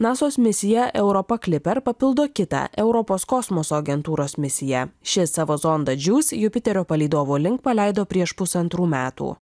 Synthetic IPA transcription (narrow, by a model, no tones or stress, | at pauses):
nɑːsoːsmʲɪsʲɪjɛʔɛʊɾɔpɐklʲɪpʲɛɾpɐpʲɪlˠd̪oːkʲɪt̪ɑ̰ʔɛʊɾɔpoːskɔsmɔsoːɐɡʲɛnt̪uːɾoːsmʲɪsʲɪjɛʃʲɪsɑːʋoːzɔnd̪ɐd͡ʒʲuːsʲjʊpʲɪt̪ʲɛɾʲoːpɐlʲɛɪd̪oːʋoːlʲɪŋkpɐlʲæˑɪd̪oːpʲɾʲiɛʃpʊsɐnt̪ɾuːmʲæːt̪ṵː